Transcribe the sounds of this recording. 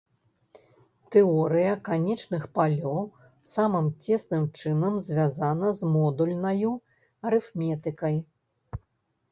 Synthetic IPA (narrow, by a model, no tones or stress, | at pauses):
t̪ɛɔɾɨjɐkanʲɛt͡ʂnɨxpalʲɔw | samɨmt͡sʲɛsnɨmt͡ʂɨnɐmzʲvʲazanɐzmɔd̪ulʲnɐju | ɐɾɨfmʲɛt̪ɨkɐj